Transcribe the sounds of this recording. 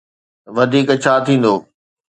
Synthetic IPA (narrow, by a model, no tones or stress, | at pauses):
ʋɐd̪ʱiːkt͡ɕʰaːt̪ʰĩːn̆d̪oː